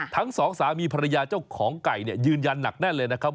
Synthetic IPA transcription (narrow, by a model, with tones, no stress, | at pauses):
t̪ʰa˦˥ŋsɔː˩˦ŋsaː˩˦miː˧pʰa˧ɾa˧jaː˧t͡ɕa˥˩wkʰɔː˩˦ŋka˨˩jni˥˩ɐjɯː˧nja˧nːa̰˨˩k̚naː˥˩lɤː˧jna˦˥kʰa˦˥p̚